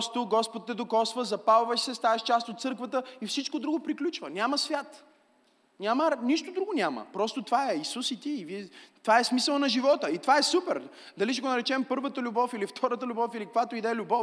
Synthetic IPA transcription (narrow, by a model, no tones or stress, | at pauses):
pst̪oɡɔspot̪ːɛd̪okɔsvəzɐpalˠvəʃsɛst̪avɐʃt͡ʃast̪ot̪sɤɾkvət̪əifsit͡ʃkod̪ɾuɡopɾiklʲut͡ʃvənʲaməsvʲjat̪ | nʲamənʲiʃt̪od̪ɾuɡonʲamə̰pɾɔst̪ot̪ovaɛisusit̪iːvit̪vaɛsmisəlˠnɐʒivɔt̪əit̪ovaɛsupɛɾ | d̪ɐliʃ̬ɛɡonɐɾɛt͡ʃɛmpɤɾvət̪əlʲʊbɔfilift̪ʰɔɾət̪əlʲʊbɔfilikkvat̪oid̪ɛlʲʊbɔf